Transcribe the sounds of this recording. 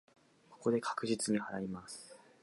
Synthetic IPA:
ko̞̥ko̞d̪e̞kʰḁkɯ̟ʑit͡sɨɲ̟ihaɾaimasɨ̥

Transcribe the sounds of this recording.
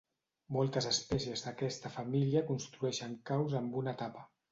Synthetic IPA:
mɔlˠt̪əzəspɛsiəzd̪əkɛst̪əfamiliəkunst̪ɾuɛʃəŋkawzəmbunət̪apə

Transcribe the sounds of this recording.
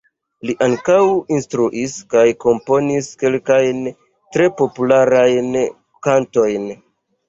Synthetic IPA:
liʔaŋkawinstɾuʔiskajko̞mpo̞niske̞lkajn | tɾe̞po̞pulaɾajn | kanto̞jn

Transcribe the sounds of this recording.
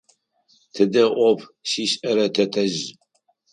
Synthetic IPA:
tʰɨdɐʔʷɔpʰɕiːɕʼɐɾɐtʰɐtʰɐʒ

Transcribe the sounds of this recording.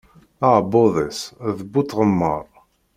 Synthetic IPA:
aboðˤəsðəbːut̪ːʁəmːə̰ɾˤ

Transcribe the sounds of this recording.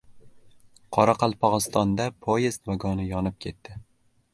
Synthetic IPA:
qʰɒɾaqʰɑlˠpʰɒʁɨst̪ʰɒnd̪apʰojest̪vaɡɒnɪjɒnɪp̚kʲʰe̞t̪ːɪ

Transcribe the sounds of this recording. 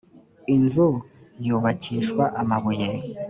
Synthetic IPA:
inzu | juːβaciːʃkwaʔamaβuje

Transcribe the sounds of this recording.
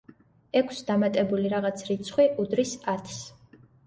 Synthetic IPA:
ɛkʷʰsd̪amat̪ʼɛbuliɾaʁat̪sʰɾit̪sʰχwiʔud̪ɾisat̪ʰs

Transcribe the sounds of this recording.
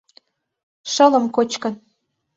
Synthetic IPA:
ʃɤ̆lə̆mkot͡ɕkɤ̆n

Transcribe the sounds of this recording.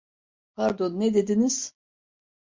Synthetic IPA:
pʰaɾd̪onːɛd̪ed̪iniz̥

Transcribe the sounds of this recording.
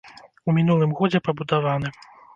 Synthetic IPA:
umʲinulˠɨmɣɔd͡zʲɛpɐbud̪avanɨ

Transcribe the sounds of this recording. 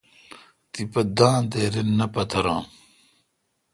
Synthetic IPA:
t̪ipɐd̪ãːd̪eːɾenːɐpɐt̪ʰɐɾãː

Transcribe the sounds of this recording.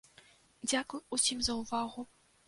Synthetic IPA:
d͡zʲakujusʲimzɐuvaɣʊ

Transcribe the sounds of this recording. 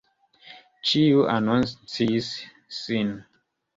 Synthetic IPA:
t͡ʃiuʔa̰nɔnt͡sisː | in

